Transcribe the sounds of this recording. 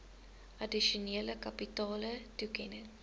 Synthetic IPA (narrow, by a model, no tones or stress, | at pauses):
ʔɐdiʃoneːləkɐpitɑːlətukɛnə